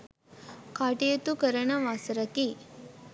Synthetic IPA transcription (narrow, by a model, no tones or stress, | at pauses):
kaːʈijɐt̪ukɐɾɐnɐʋaːsɐɾɐki